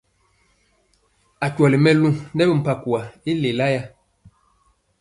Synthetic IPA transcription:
a˨t͡ʃwɔ˨li˨mɛ˦lu˦nɛ˦bə˦˨m̩˨pa˨ku˨a˨i˦le˨la˦ja˦

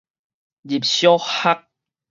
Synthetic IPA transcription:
d͡ʑi˨p̚ɕjɔ˦ha˦k̚

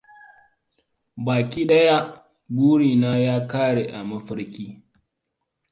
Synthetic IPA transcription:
baː˨kʲiː˦ɗɐ˦ja˦ | ɡuː˦ɽiː˨naː˦jaː˦kaː˦ɽe˨ʔa˨mɐ˦ɸɪ˦ɾkʲiː˦

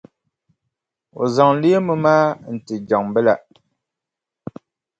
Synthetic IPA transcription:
o̰˨zɔ˨ŋ˦li˦e˦mə˦maː˦n̩˨ti˨d͡ʒɔ˨ŋm˨bə˦la˦˨ʔ

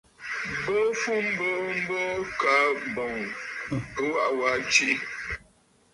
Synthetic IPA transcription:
bo˦fu˦m̩˦bo˦m̩˦bɔ˦ka˨˦bɔ˨ŋ | ə˦wa˦˨ʔwa˨˦t͡ʃi˦

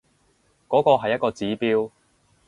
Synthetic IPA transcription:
kɔː˨˥kɔː˧ɦɐ˨jːɐ˥kɔː˧t͡siː˨˥piː˥w

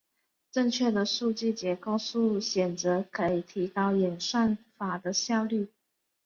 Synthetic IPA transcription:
ʈ͡ʂə˥˧ŋt͡ɕʰɥɛ˥˩d̪ə˩˨ʂu˥˧t͡ɕi˥˩t͡ɕjɛ˧˥ko˥˧ʊʂu˥˩ɕjɛ˨˩nt͡sɤ˧˥kʰɤ˧˥i˨˩t̪ʰi˧˥kɑ˥ʊi˨˩nʂa˥˩nfa˨˩d̪ə˦ɕjɑ˥˧ʊly˥˩

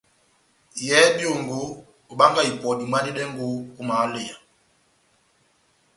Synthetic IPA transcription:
jɛ˦bjo˦˨ŋɡoː˨˦˨ | ɓa˦ŋɡa˨i˨pɔ˨di˨ma˦ni˦ɗɛ˦ŋɡo˦u˦ma˨˦le˨ja˨

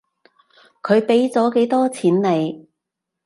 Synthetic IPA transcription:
kʰɵ˨˧ɥpe˨˥jt͡sɔː˨˥ke˨˧˥jt̪ɔː˥t͡sʰiː˨˥nle˨˧j

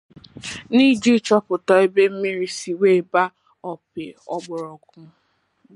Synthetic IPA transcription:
ni˦d͡ʒi˦t͡ʃɔ˦pʊ˨tɔ˨e˦be˦m̩˦mi˦ɾi˦si˨we˦˨ba˦ | ɔ˨pɪ˨ɔ˦ɡ͡bʊ˨ɾɔ˨kʊ˦

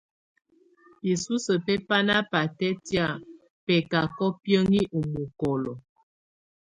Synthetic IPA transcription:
i˨su˦sə˨pɛ˦pa˦na˦pa˨tɛ˦tja˨ | pɛ˨ka˨kɔ˦pjə˦ŋi˦ʔu˨mu˨kɔ˨lɔ˨

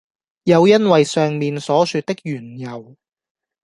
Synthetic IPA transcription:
jɐ˨˧wjɐ˥nwɐ˨jsœː˨ŋmiː˨nsɔː˨˥syː˧t̪̚ɪ˥k̚jyː˨˩njɐ˨˩w

